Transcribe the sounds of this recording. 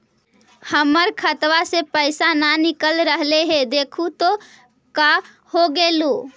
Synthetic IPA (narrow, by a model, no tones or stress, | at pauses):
həməɾkʰət̪ʋasepəɪsananikəlɾəɦleɦed̪eːkʰut̪o | ka | hoɡelo